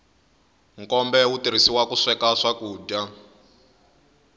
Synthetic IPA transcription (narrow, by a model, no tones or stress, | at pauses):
ŋkɔmbɛwutiɾisiwakuʂɛkaʂakuːda